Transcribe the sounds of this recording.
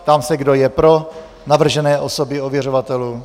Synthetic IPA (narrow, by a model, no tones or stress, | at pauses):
t̪amsɛɡdo̞jɛpɾo̞ | navr̩ʒɛnɛːʔosobɪovjɛr̝ovat̪ɛluː